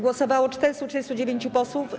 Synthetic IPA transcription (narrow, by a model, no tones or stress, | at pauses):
ɡwɔsɔvawɔt͡ʂt̪ɛɾst̪utʂɛɾɨst̪ud͡ʑevʲjeɲt͡ɕupɔswuf